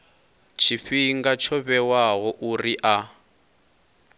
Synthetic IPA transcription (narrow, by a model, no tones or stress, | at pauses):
t͡ʃʰiɸiŋɡat͡ʃʰɔβɛwaɦɔʔuriʔa